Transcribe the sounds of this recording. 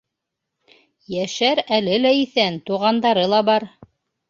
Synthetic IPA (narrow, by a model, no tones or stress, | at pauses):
jæʃæɾælɘlæiθænt̪uʁɑnd̪ɑɾɤlˠɑbɑɾ